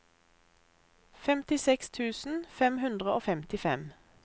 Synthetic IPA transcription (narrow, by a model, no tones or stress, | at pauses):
fɛmt̪ɪsɛkst̪ʰʉːsn̩fɛmhʉnd̪ʁəoːfɛmt̪ɪfɛm